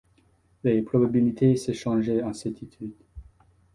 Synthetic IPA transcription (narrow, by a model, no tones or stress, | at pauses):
lepχɔbabilit̪ʰeseʃɑ̃ʒeɑ̃sɛt̪it̪ʰyd̪